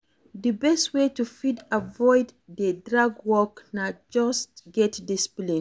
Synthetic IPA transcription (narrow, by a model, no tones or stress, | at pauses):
dəbɛstwetufidavɔɪddədɹaɡwɔknad͡ʒɔstɡɛtdispli